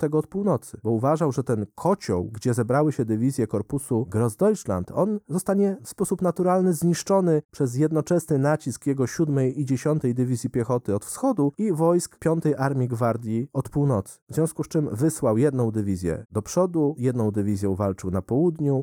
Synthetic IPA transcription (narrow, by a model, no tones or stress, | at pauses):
t̪ɛɡɔːt̪̚puwnɔt̪sɘ̥bɔuvaʐawʐɛt̪ɛnkʰɔt͡ɕɔ̰wɡd͡ʑɛzɛbɾawɘɕɛd̪ɘvʲizʲjɛkɔɾpusuɡɾɔzd̪ɔjʂla̰nt̪ʰɔ̰nzɔst̪aɲɛfspɔsupnat̪uɾalnɘzɲiʂt͡ʂɔnɘpʂɛzjɛd̪nɔt͡ʂɛsnɘnat͡ɕiskjɛɡɔɕud̪mɛjid͡ʑeɕɔnt̪ɛjd̪ɘvʲizʲjipʲjɛxɔt̪ɘɔt̪fsxɔd̪uivɔjskpʲjɔnt̪ɛjʔaɾmʲiɡvaɾd̪ʲjiɔt̪puwnɔt̪sɘ̥vzvʲjɔ̃w̃skust͡ʂɘmvɘswawjɛd̪nɔ̃w̃d̪ɘvʲizʲjɛ̰d̪ɔpʂɔd̪ujɛd̪nɔ̃w̃d̪ɘvʲizʲjɔ̃w̃valt͡ʂɘwnapɔwud̪ɲu